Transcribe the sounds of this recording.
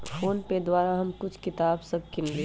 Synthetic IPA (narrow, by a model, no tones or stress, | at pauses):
foːnked̪waːɾaɦɐmkʊt͡ʃʰkɪt̪aːbsɐb̚kɪnɾe